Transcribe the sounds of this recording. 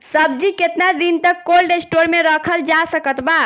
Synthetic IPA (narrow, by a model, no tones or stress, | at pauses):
səb̚d͡ʒiket̪nad̪int̪əkːolɖesʈoɾmeɾəkʰəld͡ʒasəkət̪ba